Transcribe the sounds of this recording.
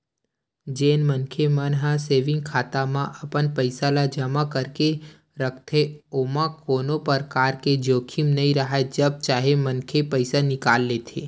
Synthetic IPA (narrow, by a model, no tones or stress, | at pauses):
d͡ʒeːnmənkʰemənɦãseːʋɪ̃ŋɡ̚kʰaːt̪amãʔəpənpəɪsalad͡ʒəmakəɾke | ɾəkʰt̪ʰeoːmãkoːnopəɾkaːɾked͡ʒoːkʰimnəĩɾəɦaed͡ʒəb̚t͡ʃaːɦemənkʰepəɪsanɪkaːlːet̪ʰeː